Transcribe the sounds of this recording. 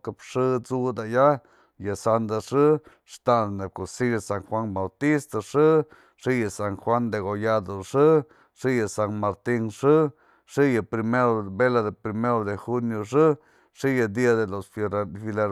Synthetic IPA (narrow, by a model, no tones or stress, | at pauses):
kapʂɨt͡sud̪aja | jasand̪aʂɨ | ʂt̪aneb̚kosiasaŋxwaŋbawt̪ist̪aʂɨ | ʂijasaŋxwand̪eɣojad̪oʂɨ | ʂijasanmaɾt̪iŋʂɨ | ʂijapɾimeɾobelad̪epɾimeɾod̪exunjoʂɨ | ʂijad̪iad̪elosfoɾafileɾ